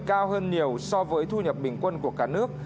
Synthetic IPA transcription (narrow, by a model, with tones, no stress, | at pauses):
kaː˧whəː˧nɲi˨˩əwsɔ˧vəː˨˦jt̪ʰu˧ɲə˨˩p̚ɓï˨˩ŋ̟kwə˧nku˧˩əkaː˧˩nɨ˦˥ək̚